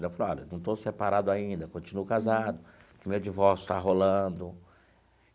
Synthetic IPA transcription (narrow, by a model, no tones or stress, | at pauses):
d̪ɐfaloɔ̰lɐ̰nɐ̃w̃t̪owsepaɾad̪ʊaĩnd̪ɐkõt͡ʃinuʊkazad̪ʊkɪmewd͡ʒivɔɾsjʊ̥t̪aɦolɐ̃d̪ʊ